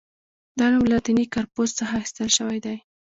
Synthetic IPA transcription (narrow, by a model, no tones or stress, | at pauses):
d̪ɑnamlat̪inikɑɾpozt͡səxaxi̥st̪əlʃəwajd̪aj